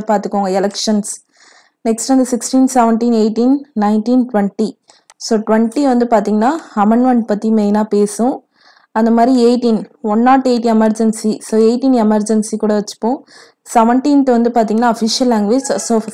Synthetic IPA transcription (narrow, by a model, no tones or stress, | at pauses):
paːɾt̪ɯkːoːŋɡɐɛlɐkʂɐns | nɛksʈɐnd̪ɐsɪksʈĩːnsɛʋɐɳʈiːneːʈiːnːɐɪnʈiːnʈʋɛɳʈi | soːʈʋɛɳʈiʋɐnd̪ɯpaːɾt̪iːŋɡɐnːaːɐmɐɳɖʋɐɳɖ̚pɐt̪ːimeːnaːpeːsʊ̃ | ɐnd̪ɐmaːd̪ɾieːʈiːnɔnːaːʈːeːʈiɛmɐɾd͡ʒɛnsisoːeɪʈiːnɛmɐɾd͡ʒɐnsikuːɽɐʋɐt͡ʃːɯ̥pːõː | sɛʋɐɳʈĩːnt̪ʋɐnd̪ɯpaːɾt̪ĩːŋɡɐnːaːɐfiʂɪɐlːãːŋɡʋeːd͡ʒsoː